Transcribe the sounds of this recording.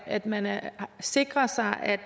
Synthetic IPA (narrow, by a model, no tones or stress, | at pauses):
æd̥mænse̝ɡ̥ʁɐsɑ̈ɪʔæd̥